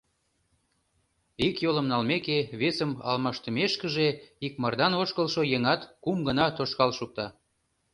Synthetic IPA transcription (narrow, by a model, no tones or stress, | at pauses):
ikjolə̆mnɑlmekeβesəmɑ̰lmɑʃt̪əmeʃkəʒeikmɑrd̪ɑnoʃkəlʃojeŋɑt̪kumɡənɑt̪oʃkɑlʃuk̚t̪ɑ